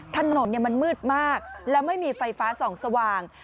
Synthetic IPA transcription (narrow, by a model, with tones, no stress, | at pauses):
t̪ʰa˧no˨˩˦nːi˥˩ɐma˧nmɯː˥˩t̪̚maː˥˩k̚lɛː˦˥wma˥˩jmiː˧fa˧jfaː˦˥sɔː˩˦ŋsa˧waː˧ŋ